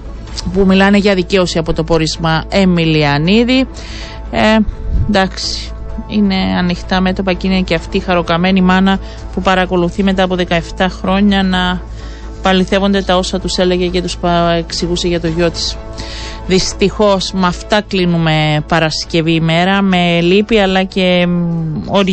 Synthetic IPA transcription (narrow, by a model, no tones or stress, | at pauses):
pumilɐne̞ʝɐðice̞o̞siɐpo̞t̪o̞po̞ɾizmɐe̞miliɐniði | nd̪ɐksi̥ | ine̞ɐnixt̪ɐme̞t̪o̞pɐciniɐceɐft̪iːxɐɾo̞kɐme̞nimɐnɐ | pupɐɾɐko̞luθime̞t̪ɐːpo̞ðe̞kɐe̞ft̪ɐxɾo̞ɲɐnɐ | pɐliθe̞vo̞nd̪e̞t̪ɐo̞sɐt̪use̞le̞ɣece̞t̪uspɐeksiɣuseʝɐt̪o̞ʝo̞t̪i̥s | ðist̪ixo̞smɐft̪ɐklinume̞pɐɾɐsce̞viːme̞ɾɐme̞lipiɐlɐce̞ | oɾ